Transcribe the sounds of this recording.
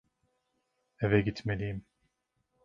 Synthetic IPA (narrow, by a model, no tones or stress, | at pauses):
evɛɟit̪melijim